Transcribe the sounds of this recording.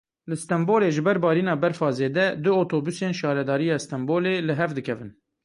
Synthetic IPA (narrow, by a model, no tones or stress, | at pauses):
lɨst̪ɛmboːleːʒɨbɛɾbɑːɾiːnɑːbɛɾfɑːzeːd̪ɛd̪ɨot̪ʰoːbuseːnʃɑːɾɛd̪ɑːɾijɑːst̪ɛmboːleːlɨɦɛvd̪ɨkʰɛvɨn